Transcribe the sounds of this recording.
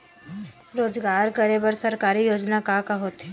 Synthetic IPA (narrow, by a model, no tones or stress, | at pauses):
ɾoːd͡ʒɡaːɾkɐɾebəɾsɐɾkaːɾijoːd͡ʒnakakaɦoːt̪ɦe